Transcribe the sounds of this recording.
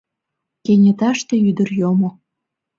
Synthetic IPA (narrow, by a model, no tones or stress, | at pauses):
kenʲet̪ɑʃt̪ĕyd̪ərjomo